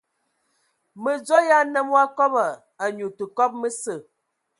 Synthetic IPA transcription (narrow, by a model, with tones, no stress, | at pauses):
mə˨d͡zɔ˦ja˦nə˦mwa˦kɔ˦bə˨ | a˨ɲu˨tə˨kɔ˦p̚mə˦sə˦˨